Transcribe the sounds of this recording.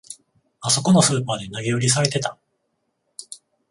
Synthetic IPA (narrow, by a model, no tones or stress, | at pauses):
aso̞ko̞no̞sɨːpaːd̪e̞naɡʲeɯ̟ɾʲis̬aɾe̞t̪e̞t̪a